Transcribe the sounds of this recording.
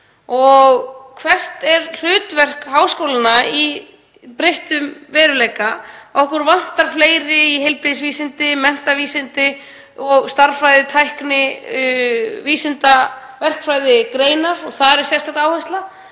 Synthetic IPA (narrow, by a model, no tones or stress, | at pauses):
ɔɣkʰvɛr̥t̪ɛɾl̥ʏːt̪vɛr̥khaːwskowlɪnai | pɾejht̪ʏmvɛːðɾʏlejkaɔhkʏɾvan̥t̪aɾ̥fleːjɾɪiɦejlpɾiðs̬viːsɪnt̪ɪmɛn̥t̪aviːsɪnt̪ɪ | ɔɣst̪aɾfɾajðɪt̪ʰajhknɪ | viːsɪnt̪a | vɛr̥kfɾajðɪkɾeːjnaɾɔɣθaðɾɛɾ̥sjɛst̪akt̪aːwhɛst̪la